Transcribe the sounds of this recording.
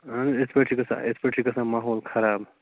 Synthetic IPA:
and͡zespeʈʰikəsa̰ʔespeʈʰikəsãmaɦolkʰɐɾab

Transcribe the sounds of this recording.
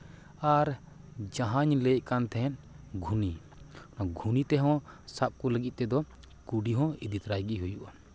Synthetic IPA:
aɾ | d͡ʒãɦaɲlejʔkant̪ʰɛɛnɡʱuni | naɡʱunit̪ɛɦɔ̃sap̚kuləɡit̪̚ˀt̪ɛd̪ɔ | kuɖiɦɔ̃id̪it̪ɾajɡiɦujuʔa

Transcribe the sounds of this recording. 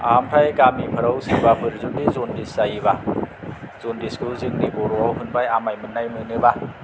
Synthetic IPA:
ampʰɾajkamipʰɯɾawsɯbapʰɯɾzudizɔndisajiba | z̥ondiskʰɯzɯŋnibɔɾɔawɦɯnbajamajmɯnːajmɯnɯba

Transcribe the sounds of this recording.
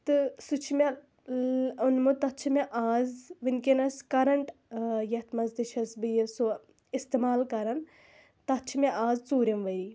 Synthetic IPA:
t̪ɨsut͡ʃʰime | unmut̪ɐt͡ʃʰimeʔaːzʋɨnkenɐskɐɾɐɳʈjɐt̪ʰmɐzd̪iʃʰɐsbɨjɐso | ist̪emaːlkɐɾɐn | t̪ɐt͡ʃʰimeʔaːzt͡suːɾɐmʋɐɾi

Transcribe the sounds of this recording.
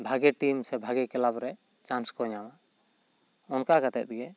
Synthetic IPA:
bʱaɡɛʈimsɛbʱaɡɛkɛlabɾɛt͡ʃanskɔɲawa | ɔnkakat̪ɛt̪̚ɡɛ

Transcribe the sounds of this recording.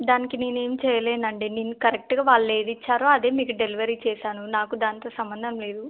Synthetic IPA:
d̪aːnikine̞ːne̞ːmit͡ʃɛːjɐle̞ːnɐɳɖeːneːnːukɐɾek̚ʈɡaːʋaːɭːɐe̞ːd̪it͡ʃːaːɾoɐd̪e̞ːmiːkuɖeliʋɐɾiːt͡ʃɛːʃaːnunaːkud̪aːnit̪o̞ːsɐmbɐnd̪ʱɐmle̞ːd̪u

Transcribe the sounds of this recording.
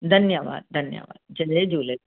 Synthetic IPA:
d̪ʱɐnjəʋa̰ːd̪̚d̪ʱɐnjə̰ʋa̰ːd̪̚d͡ʒɐled͡ʒuːle

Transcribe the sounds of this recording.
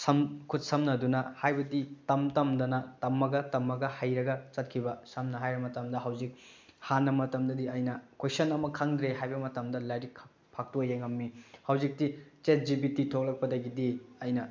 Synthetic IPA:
sɐmkʰut̚sɐmnɐdunɐhajbɐditɐmtɐmdɐnɐtɐmːɐɡɐtɐmːɐɡɐhɐjɾɐɡɐt͡ʃɐt̚kʰibɐsɐmnɐɦajɾɐmɐtɐmdɐɦɐwzik̚hanːɐmɐtɐmdɐdiɐjnɐkwesɐnɐmɐkʰaŋdɾeɦajbɐmɐtɐmdɐlajɾikʰ | pʰak̚tujeŋɐmːihɐwzik̚tit͡ʃet̚d͡ʒibititʰok̚lɐk̚pɐdɐɡidiɐjnɐ

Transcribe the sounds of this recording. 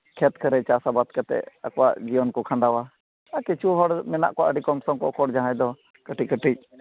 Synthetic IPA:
kʰɛt̪kʰəɾɛt͡ʃasabat̪kat̪ɛ̰akɔwa̰ʔd͡ʒiwɔnkɔkʰãɳɖawa | akɛt͡ʃuɦɔɽmɛna̰ʔkɔwaʔəɖikɔmsɔŋkɔ̰kɔɽd͡ʒaɦãjd̪ɔ | kəʈikəʈic̚

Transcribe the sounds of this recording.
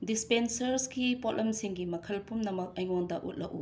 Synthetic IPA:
dispensɐɾskipotlʔɐmsiŋɡimɐkʰɐlpumnɐmɐk̚ɐjŋoŋdɐʔṵt̚lɐ̰ʔu

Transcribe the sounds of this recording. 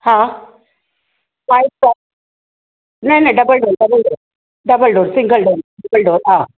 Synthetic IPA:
hã | maj̚a | neneɖɐbəlɖoːlɖɐbɐlɖoːɾ | ɖɐbəlɖoːɾsiŋɡɐlɖoːɾɖɐbɐlɖoːɾaː

